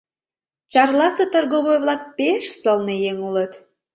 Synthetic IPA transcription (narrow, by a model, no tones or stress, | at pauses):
t͡ɕɑrlɑset̪ərɣoβojβlɑk̚peʃsəlnejeŋulət̪